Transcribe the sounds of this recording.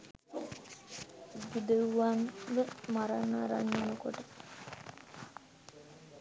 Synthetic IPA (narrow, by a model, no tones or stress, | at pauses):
bid̪əuʋanʋəmaɾanaɾa̰ɲːanəkoʈə